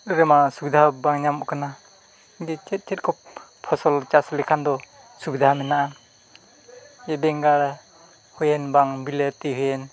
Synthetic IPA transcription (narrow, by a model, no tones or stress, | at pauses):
ɾemasuɡdabaŋɲamɔkʰana | dit͡ʃet̚t͡ʃet̚kʰɔp̚pʰɔsɔlt͡ʃaslikʰandɔ | suɡ̚d̪amenaa | ebeŋɡaɾ | hujenbaŋbiletːiɦɯjen